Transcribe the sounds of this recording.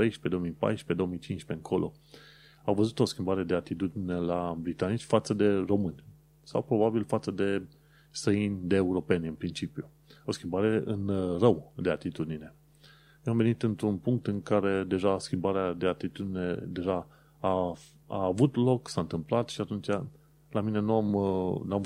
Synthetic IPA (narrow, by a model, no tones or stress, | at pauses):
ejʃpe̞d̪oomijpa̰jʃpe̞d̪o̞omijt͡ʃinʃpeɨŋkʰo̞lʔo̞̰ | awvəzut̪o̞skʲimbaɾe̞d̪e̞at̪it̪ud̪ine̞labɾit̪anit͡ʃʲfat̪səd̪e̞ro̞mɨnʲ | sawpɾo̞babilfat̪səd̪e̞ | st̪ɾəinʲd̪e̞ːuɾo̞pe̞nʲɨnpɾint͡ʃipju | o̞skʲimbaɾe̞ɨ̰nrəwd̪e̞at̪it̪ud̪ine̞ | jeamve̞nit̪ɨnt̪ɾunpuŋk̚t̪ɨŋkaɾe̞d̪e̞ʒaskʲimbaɾead̪e̞at̪it̪ud̪ine̞̰d̪e̞ʒa | a | a̰ːvut̪lo̞ksant̪ɨmplat̪ʃiat̪unt͡ʃa | lamine̞nuamnuam